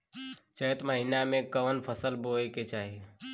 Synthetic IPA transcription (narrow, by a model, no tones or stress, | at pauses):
t͡ʃəjt̪məɦinamẽkəʋənpʰəsəlboeket͡ʃaːɦi